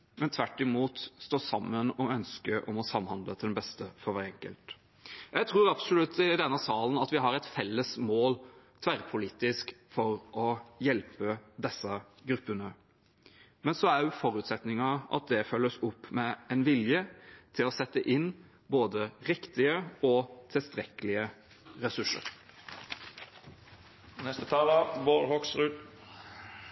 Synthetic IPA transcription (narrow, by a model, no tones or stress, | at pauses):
mɛnt̪ʰʋæʈːɪmuːt̪st̪oːsɑmːənɔœnskəʔɔmɔsɑmːhɑnd̪lət̪ʰɪlɛnbɛst̪əfɔɾʋæːɾɛŋkə̰lt̪ | jæɪt̪ʰɾuːɾɑpsʊlʉt̪ʰːɪd̪ɛnːəsɑːlənɑt̪ʋɪɦɑɾɛɪt̪fɛlːəsmoːl | t̪ʰʋæɾpʰʊliːt̪ɪskfɔɾʔɔjɛlpəd̪ɛsːɑ | ɡɾʉpːənə | mɛnsɔæɾjʊfɔɾʉːt̪sɛt̪nɪŋɑʔɑ̰t̪̚d̪ɛfœlːəsʊpːmɛɛnʋɪljət̪ʰɪlɔsɛt̪ːəʔɪnː | boːd̪əɾɪkt̪ɪəɔt̪ʰɪlst̪ɾɛkəlɪə | ɾɛsʉʂə̰ɾ | nɛst̪ət̪ʰɑːləboːɾhɔksɾʉːd̪